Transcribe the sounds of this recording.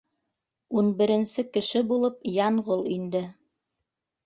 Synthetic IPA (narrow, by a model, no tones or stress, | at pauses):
unbɘ̆ɾɘ̆nsɘkɘ̆ʃɘbulˠɤpjɑɴʁolˠind̪ɘ